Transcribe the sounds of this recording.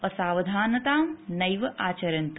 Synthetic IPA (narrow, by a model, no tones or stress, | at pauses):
ɐsaːʋɐd̪ʱaːnɐt̪aːmnɐjʋɐʔaːt͡ʃɐɾɐnt̪